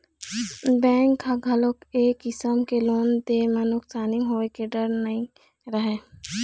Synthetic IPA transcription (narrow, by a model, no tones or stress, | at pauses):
bɛ̃ːŋkhaɡʱɐlokeːkɪsəmkeloːnd̪eːmənʊksaːniɦoːekeɖəɾnɐĩ | ɾəɦeː